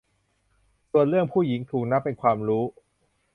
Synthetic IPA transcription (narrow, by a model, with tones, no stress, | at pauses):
su˨˩ənɾɯ˥˩əŋpʰuː˥˩ji˩˦ŋt̪ʰuː˨˩k̚na˦˥pːe˧nkʰwaː˧mɾuː˦˥